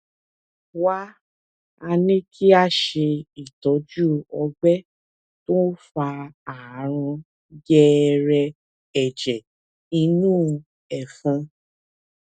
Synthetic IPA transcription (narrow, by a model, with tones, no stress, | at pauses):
wa˦ | a˧nĩ˦kʰi˦a˦˨ʃe˧i˨tɔ˨˦d͡ʒu˦ɔ˧ɡ͡bɛ˦ | to˦fa˧a˨a˨˦ɾ̃ũ˧ | ɡɛ˦˧ɾɛ˧ | ɛ˨d͡ʒɛ˨ | i˧nũː˦ | ɛ˨fũ˧